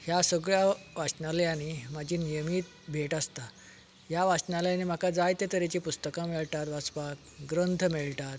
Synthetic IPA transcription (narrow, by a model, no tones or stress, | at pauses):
hjasəɡɭjaʋat͡ɕnaljañimad͡ʑiːnijəmiːt̪̚ | bʱeʈast̪a | ɦjaʋasnaljanem̤akad͡zajt̪et̪əɾet͡ɕipust̪əkãmeɭʈ̪at̪ʋat͡spak̚ | ɡɾənt̪ʰəmeɭʈat̪